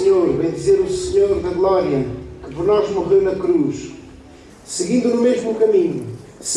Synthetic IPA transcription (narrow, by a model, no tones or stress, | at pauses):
ɲoɾvɐ̃j̃d̪izeɾusɨɲoɾðɐɣlˠɔɾiɐ̃kɨpɾnɔɾʒmuʁewnɐkɾuʃ | sɨɣĩnd̪unumeʒmukɐmĩɲus